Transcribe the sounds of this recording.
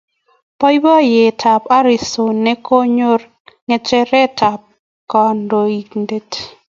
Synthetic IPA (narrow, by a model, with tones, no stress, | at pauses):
pɔ˦i˦bɔ˦je˨tʰa˨pa˦ɾi˨so˨nːɛ˦ko˦ɲo˦r | ŋɛ˨t͡ʃɛ˦ɾɛ˦tʰa˨p̚ | kɔ˨ndo˨i˨knde˦t